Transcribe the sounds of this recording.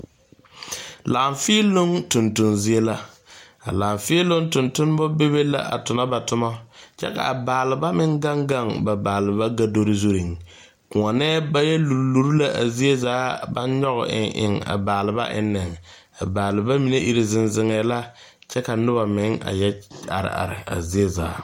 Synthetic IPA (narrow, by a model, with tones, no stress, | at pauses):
laː˨ɱfi˦lo˦ŋtʊ˨ntʊ˨nzi˦e˦la˦ | a̰˨laː˨ɱfɪ˦lo˦ŋtʊ˨ntʊ˦n˦bɔ˦be˦βe˦la̰˦ʔa̰˨tʊ˨na˦ba˨tʊ˦ma˦t͡ʃɛ̰˦ka̰˨a˨baː˨lɪ˨ba˦mɪ˦ŋɡa˦ŋɡa˦˨ŋba˨baː˨lɪ˨βa˦ɡa˦do˦ɾɪ˦zo˦ɾi˨ŋ | kʊ˨ŋa˨nɛː˦ba˦jɛ˦lu˨ɾlu˨ɾu˦la˦ʔa̰˨zi˦e˦zaː˦ba̰˦nɲɔ˦ɣʊ̰˨ʔɪ̰˨ʔɪ̰˨ŋa̰˨baː˨lɪ˨ba̰˦ʔɪ̰˦nːɪ˨ŋ | a˨baː˨lɪ˨ba˦mi˨ne˦ʔi˨ɾi˨zɪ˦nzɪ˦ŋɛː˨˦la˦ | t͡ʃɛ˦ka˨nʊ˦βa˨mɪ˨˦ŋa̰˨jɛ˦a̰˨ɾɪ̰˨a̰˨ɾɪ˨a̰˨zi˦e˦za̰ː˨˦